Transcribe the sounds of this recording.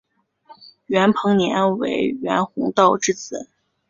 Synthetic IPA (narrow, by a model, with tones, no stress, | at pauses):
ɥɛ˧˥npʰɤ˧˥ŋnjɛ˧˥nwḛ˧˥ɪɥɛ˧˥nxʊ˧˥ŋt̪ɑ˥˧ʊʈ͡ʂɻ̩˥˩t͡sɹ̩˧˥˦